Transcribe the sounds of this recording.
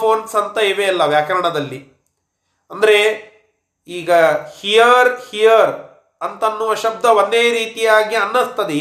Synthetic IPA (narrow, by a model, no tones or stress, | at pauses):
oːnsɐnt̪ɐeːʋeɐlːɐʋjaːkɐɾɐɳɐd̪ɐlːi | ɐnd̪ɐɾe̞ | iːɡɐhijɐɾhijɐɾ | ɐnt̪ɐnːuʋɐʃɐb̚d̪ʱɐʋond̪eːɾiːt̪ijaːɡiɐnːɐst̪ɐd̪e